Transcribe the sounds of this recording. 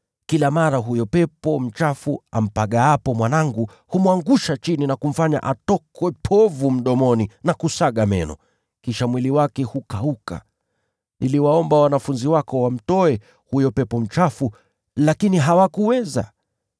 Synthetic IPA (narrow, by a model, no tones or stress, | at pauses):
kilamaɾaɦujɔpɛpɔm̩t͡ʃafua̰m̩paɠaapɔmwanaŋɡu | humuwaŋɡuʃat͡ʃininakum̩faɲa̰ʔatɔkwɛpʰɔvum̩ɗɔmɔninakusaɠamɛ̰nɔ̰ | kiʃamwiliwakɛhukauka̰ | nʔiliwaɔmbawanafunziwakɔwam̩tɔɛ | hujɔpɛpɔm̩t͡ʃafu | lakiniɦawakuwɛza̰